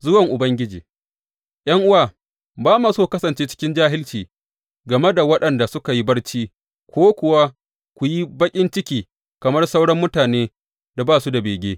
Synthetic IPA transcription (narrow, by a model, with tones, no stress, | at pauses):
zʊ˦wɐ˨ŋʔʊ˨bɐ˦ŋɡʲɪ˦d͡ʒiː˨ | j̰ɐ˦ŋʔʊ˦waː˨ | baː˦ma˨soː˦˨kɐ˦sɐ˨nt͡ʃeː˦t͡ʃɪ̥˦kʲɪ˦nd͡ʒaː˦ɦɪ˦lt͡ʃiː˨ | ɡɐ˨me˦da˨wɐ˦ɗɐ˨nda˨sʊ˦ka˨ji˦bɐ˦rt͡ʃiː˦ | kʷoː˦kʷʊ˨wa˦ | kʷʊ˨ji˦bɐ˦kʲʼɪ˦nt͡ʃɪ˦kʲiː˨ | kɐ˨mɐ˦rsɐ˦wɽɐ˦mːʊ˦taː˨neː˦ | da˨baː˦˨su˦da˨beː˨ɡʲeː˦